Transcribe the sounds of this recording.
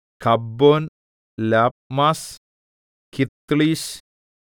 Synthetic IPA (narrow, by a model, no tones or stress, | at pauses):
kʰabːon | lap̚mas | kit̪ːlis